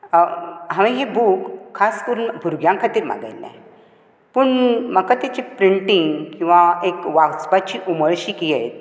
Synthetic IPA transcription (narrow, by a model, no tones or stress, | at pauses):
ɦaʋĩɦebukʰːaskəɾunbʱuɾɡjãŋkʰat̪iːɾma̰ɡa̰jlːɛ̰̃ | pəɳməkat̪at͡ɕepɾiɳʈiŋɡkĩw̃ʋaekʋaɡsbat͡ɕiːʔuməɭɕiːkijet̪̚